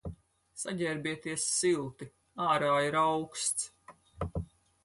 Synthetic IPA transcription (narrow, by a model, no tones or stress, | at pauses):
saɟʲɛɾbiɛt̪iɛsːilˠt̪i | aːɾaːjiɾawkst̪s